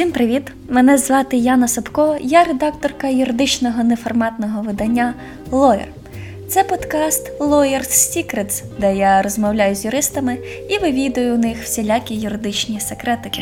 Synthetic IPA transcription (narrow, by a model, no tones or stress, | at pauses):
sʲimpɾɪʋʲit̪ | mɛnɛzʋɑt̪ɪjɑnɐsɔpkɔjaɾed̪ɑk̚t̪ɔrkɐjʊɾɪd̪ɪt͡ʃnɔɦɔnefɔrmɑt̪nɔɦɔʋɪd̪ɐnʲːa | lˠɔjɪ̰r | t̪sɛpɔd̪kɑst̪lˠɔjɪrsʲtʲikɾed̪s | d̪ɛjaɾɔzmɔwlʲajʊzʲjʊɾɪst̪ɐmɪ | iʋɪʋʲid̪ɐjʊnɪxw̥sʲelʲakʲijʊɾɪd̪ɪt͡ʃnʲisekɾɛt̪ɪkɪ